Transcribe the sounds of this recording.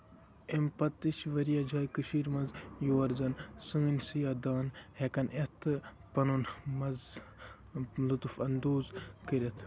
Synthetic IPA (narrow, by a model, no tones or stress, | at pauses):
empɐt̪ːit͡ʃʰʋɐɾijaːd͡ʒaːjkɨʃiːɾmɐnzjoːɐɾzɐnsɨŋɡɨnʲsijaːd̪aːnhekɐnʔet̪ɨ | pɐnunmɐz | lut̪ufɐnd̪oːzkəɾʲɐt̪ʰ